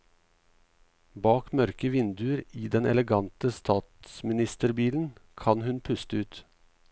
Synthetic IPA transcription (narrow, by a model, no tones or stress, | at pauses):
bɑːkmœɾkəʋɪnd̪ʉəɾiːd̪ɛnʔɛ̰ləɡɑnt̪əst̪ʰɑːt̪smɪnɪst̪əɾbiːln̩kʰɑnhʉnpʰʉst̪əʉːt̪